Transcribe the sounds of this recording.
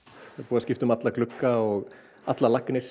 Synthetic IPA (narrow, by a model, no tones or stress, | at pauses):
apuːðascɪft̪ʏmat̪laklʏkːaɔɣ | at̪lalakːnɪɾ̥